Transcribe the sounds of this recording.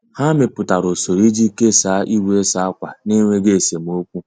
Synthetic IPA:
ha˦mɪ˨pʊ˨ta˨ɾo˨so˨ɾi˦d͡ʒi˦ke˦saː˨˦ʔi˦wʷe˦sa˨˦a˦kʷa˨ne˦ŋʷe˦ɡe˦e˨se˨m̩˦o˦kʷu˦

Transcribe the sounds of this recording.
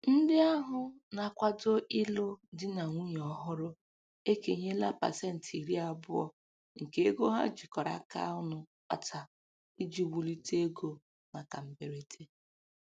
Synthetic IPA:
n̩˦dɪ˦a˦ɦʊ˦na˨kʷa˦do˦ʔɪ˦lo˦dɪ˦na˨ŋʷu˦ɲ˨ɔ˨ɦʊ˦ɾʊ˦ | e˦ke˨ɲe˦la˦pa̰˨se˦n̩˨ti˨ɾi˦a˨bʊ˦ɔ̰˦ | ŋ̩˨ke˨˦e˦ɡo˦ɦa̰˦d͡ʒi˨kɔ˨ɾa̰˦ka̰˦ʊ˦nʊ˨ | k͡pa̰˨tʰa˨ | i˦d͡ʒi˨wu˨li˦te˦ɡo˦ | ma˨ka˨m̩˦be˨ɾe˦tʰe˦

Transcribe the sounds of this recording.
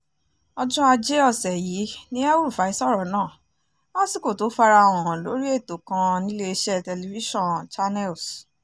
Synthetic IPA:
ɔ˧d͡ʒũ˦a˧d͡ʒe˦ɔ˦˨sɛ˨ji˨˦nĩ˦a˦u˦ɾu˦˨fa˨˦i˦sɔ˦ɾɔ˨nãː˦˨˦ | ɔ̃˦si˦˨ko˨to˨˦fa˧ɾa˧˨w̃ɔ̃˨lo˨˦ɾi˦e˦˨to˨kã˧nĩ˦le˧i˧ʃɛ˦tɛ˧li˨vi˦ʃɔ̃˦˨nt͡ʃa˦nɛ˦˨ls

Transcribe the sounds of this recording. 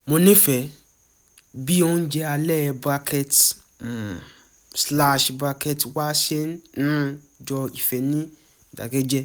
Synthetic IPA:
mo˧nĩ˦fɛ˨ | bi˦õ˦ñ̩˦d͡ʒɛ˧a˧lɛ˦˧ba˦˧kʰɛ˦t̩˨ | sla˦ʃba˧kɛ˦twa˦ʃe˦nñ̩˦ | d͡ʒɔ˧i˨fɛ˨nĩ˦˨ | da̰˨ɡe˦d͡ʒɛ˦

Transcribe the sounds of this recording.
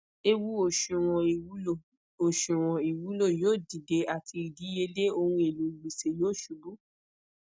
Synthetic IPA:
e˧wu˦o˨ʃu˨w̃ɔ̃˨˦o˦˨ | o˨ʃũ˨w̃ɔ̃˨i˨wu˨˦lo˦˨joː˦˨di˨de˧˦a˨tʰi˧i˨di˨˦e˧le˦o˧hũ˧e˨lũ˨˦i˨wi˨se˨joː˦˨ʃu˨˦bu˦

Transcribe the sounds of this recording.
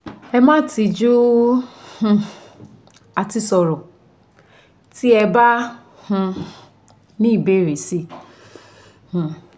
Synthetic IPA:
ɛ˦mã˦ti˨d͡ʒu˦ | h̩˨ | a˨ti˦sɔ˨ɾʊ˨ | ti˦ɛ˨ba˦ | h̩˦ | nĩ˦˨be˦ɾe˨si˦ | h̩˨

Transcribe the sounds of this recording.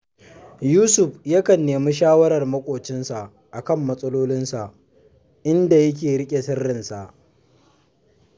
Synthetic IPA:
juː˦sʊ˨ɸja˦kɐ˨nːeː˨mi˦ʃ̬aː˦wɐ˦ɾɐ˨rmɐ˦kʷʼoː˨t͡ʃɪ˦nsa˨ʔ | ʔa˨kɐ˦˨mːɐ˦sʼɐ˦loː˦lɪ˦nsa˨ʔ | ʔɪ˦nda˨jɐ˦k̬ʲeː˨ɽɪ˦kʲʼe˨sɪ˦rːɪ˨nsa˨ʔ

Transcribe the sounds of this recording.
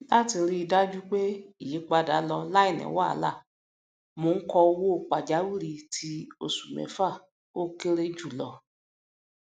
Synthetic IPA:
la˦ti˧ɾi˦i˧da˦d͡ʒu˦k͡pe˦i˦˨ji˨˦k͡pa˧da˨˦lɔ˧la˦i˦˨nɛ̰̃˨wa˦˨˦la̰˦˨ | mo˧n̩˦kɔ˧o˧wo˦˨k͡pa˨d͡ʒa˨˦wi˦˨ɾi˧tʰi˧o˧˨su˨mɛ̰̃˨˦fa˦˨ | o˦ke˦ɾe˦d͡ʒu˦˨lɔ˧

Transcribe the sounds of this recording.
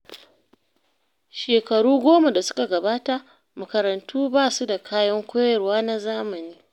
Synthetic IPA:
ʃeː˨kɐ˨ɽuː˦ɡʷoː˦ma˨da˨sʊ̥˦ka˨ɡɐ˨baː˦ta˦ʔ | mɐ˨kɐ˨ɾɐ˨ntuː˦baː˦su˦da˨kʰaː˦jɐ˦ŋkʷoː˦jɐ˨rwaː˦na˦zaː˦mɐ˨niː˦

